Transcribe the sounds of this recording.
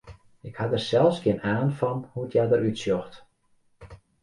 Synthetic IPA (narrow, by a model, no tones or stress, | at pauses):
ɪkhadərsɛlˠfskɪənaːnfɔnhuətjadəɾytsjɔxt